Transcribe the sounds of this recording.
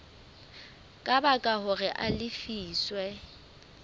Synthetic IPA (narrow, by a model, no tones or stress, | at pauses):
kʼabakʼahʊrɪʔalɪfiːswɛ